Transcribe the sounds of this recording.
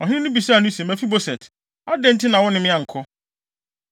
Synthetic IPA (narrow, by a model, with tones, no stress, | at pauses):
ɔ˨ɦɪ̃˦ɪ̃˦nʊ̃˦bi˨sa˦˨nʊ̃˦se˨mæ˨fi˦bo˦sɛ˨t | a˦dɛ̃˦n̩˦tɪ˦nã˨wɔ̃˦nɪ̃˦mɪ̃˦a˨ŋ̩˨kʰɔ˦